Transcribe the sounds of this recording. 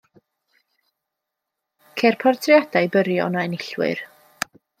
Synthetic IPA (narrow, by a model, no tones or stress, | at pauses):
kʰɛrpʰɔrtʰrjadajbəɾjɔ̰naɛnɪɬwɪ̰r